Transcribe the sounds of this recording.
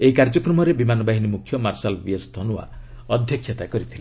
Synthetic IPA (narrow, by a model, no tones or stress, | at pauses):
eikaɾd͡ʒɔkɾɔmɔɾebimanɔbaɦinimukʰjɔmaɾsalbiɔst̪ʰɔnuwa̰ | ɔd̪ʱjɔkʰːjɔt̪akɔɾit̪ʰile